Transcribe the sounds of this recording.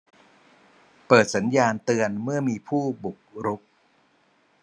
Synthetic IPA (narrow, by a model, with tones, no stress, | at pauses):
pɤː˨˩t̪̚sa˩˦njaː˧nt̪ɯ˧ənmɯ˥˩ɐmiː˧pʰuː˥˩bu˨˩k̚ɾu˦˥p̚